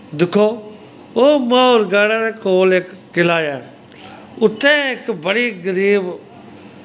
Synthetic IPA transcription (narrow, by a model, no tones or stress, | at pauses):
d̪ɪkʰːoː | oːmãːʊɾɡaːɽãːɾeːkoːlɪkːɪlaːjaː | ʊt̪ʰːẽːɪkbəɽiːɡəɾiːb